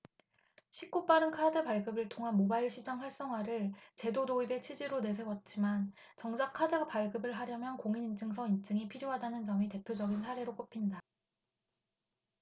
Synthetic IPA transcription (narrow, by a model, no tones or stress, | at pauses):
ɕʰik͈̚op͈aɾɯnkʰadɯpaɭɡɯbɯɭtʰoŋɦanmobaiɭɕʰid͡ʑaŋɸwaɭs͈ʌŋɦwaɾɯɭt͡ɕe̞dodoibe̞t͡ɕʰid͡ʑiɾone̞sʰe̞wʌt̚t͡ɕ͈iman | t͡ɕʌŋd͡ʑakʰadɯpaɭɡɯbɯɭɦaɾjʌmjʌnkoŋinint͡ɕ͈ɯŋsʰʌint͡ɕ͈ɯŋipʰiɾjoɦadanɯnt͡ɕʌmite̞pʰjod͡ʑʌɡinsʰaɾe̞ɾok͈opʰinda